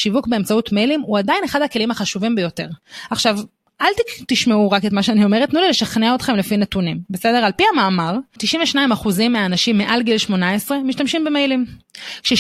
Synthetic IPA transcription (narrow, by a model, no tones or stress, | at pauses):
ʃivukbe̞emt͡sautmejlimuadajineχadhake̞limaχaʃuvimbejo̞te̞ʁaχʃav | ʔalt̪it̪iʃmeuʁaketmaʃeanio̞me̞etnulile̞ʃaχneaotχe̞mlefinetunimbe̞sedeʁalpiamaːmaʁtiʃimveʃnaimaχuzimːeaːnaʃimːeʔalɡilʃmo̞naesʁe̞miʃtamʃimbemejlimkʃe